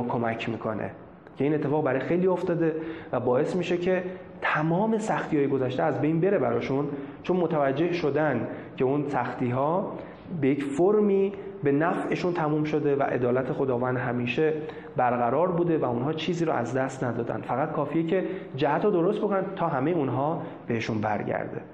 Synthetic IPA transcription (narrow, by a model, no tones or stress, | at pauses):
kʰo̞mæcʰmiːkʰo̞̰nḛ | cʰe̞iːnet̪ːe̞fɒːɣbæɾɒːjxe̞jliːo̞ft̪ɒːd̪e̞væbɒːe̞smiːʃe̞cʰe̞ | t̪ʰæmɒːme̞sæxt̪ijɒːje̞ɡo̞zæʃt̪e̞æzbe̞jnbe̞ɾe̞bæɾɒːʃunt͡ʃʰonmot̪ʰævæd͡ʒːe̞hʃo̞d̪æn | cʰe̞unsæxt̪ʰiːɦɒː | be̞jecfoɾmiː | be̞næfe̞ʃunt̪ʰæmuːmʃo̞d̪e̞væ̰ʔe̞̰d̪ɒːlæt̪ʰe̞xo̞d̪ɒːvænd̪ɦæmiːʃe̞ | bæɾɣæɾɒːɾbuːd̪e̞væunɦɒːt͡ʃʰiːziːɾɔ̰ʔæ̰zd̪æst̪næd̪ɒːd̪æ̰nfæɣæt̪̚kʰɒːfijecʰe̞d͡ʒæhæt̪ɾod̪o̞ɾost̪bo̞kʰonænd̪t̪ʰɒːɦæmejeunɦɒː | b̥e̞he̞ʃunbæ̰ɾɟæ̰ɾd̪e̞̰